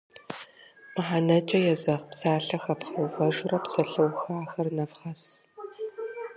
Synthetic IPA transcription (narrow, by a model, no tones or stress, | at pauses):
mɨħanɐt͡ʃʼɐjɛzɐʁpsaːɬɐxɐpχɐʁɐʒʊrɐpsɐɬɐwxaːxɐrnɐfχɐs